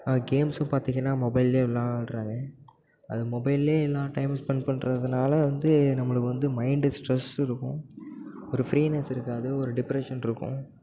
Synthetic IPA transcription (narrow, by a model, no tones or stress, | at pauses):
ɡeːmsʊ̃paːɾt̪iŋɡɐnːaːmɔbɐɪleːɛlːãːʈɾãːŋɡɐ | ɐ̰ðɯmɔbɐɪleːɛlːãːʈɐɪmspɐɳpɐɳɾɐðɯnaːlɐʋɐnd̪ɯnɐmːɐɭɯkːɯʋɐnd̪ɯmɐɪɳɖɯsʈɾɛsɪɾɯkːʊ̃ | ɔɾɯfɾiːnɐsɪɾɯkːaːðɯɔɾɯɖɪpɾɛʂɐnɪɾɯkːʊ̰̃